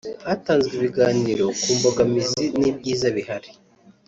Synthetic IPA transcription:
hataːnzɡiβiɡaːniɾo̞kuːmboɡamizinib̚ɟiːzaβiɦaɾi̥

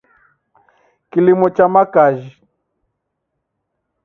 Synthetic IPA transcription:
kilimɔt͡ʃamakaʒi

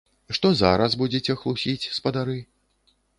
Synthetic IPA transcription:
ʂt̪ɔza̰ɾɐsbud͡zʲet͡sʲɛxlˠusʲit͡sʲspɐd̪aɾɨ

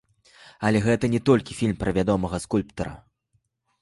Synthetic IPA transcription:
ɐlʲɛɣɛt̪ɐnʲɛt̪ɔlʲkʲifʲilʲmpɾʔɐvʲad̪ɔmɐɣɐskulʲpt̪ɐɾɐ̰

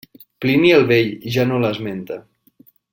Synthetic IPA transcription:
pliniəlˠβeʎʒanoləzment̪ə

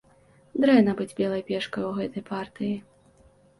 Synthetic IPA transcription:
d̪ɾɛnɐbɨd͡zʲbʲɛlˠɐjpʲɛʂkɐjwɣɛt̪ɐjpʰart̪ɨji

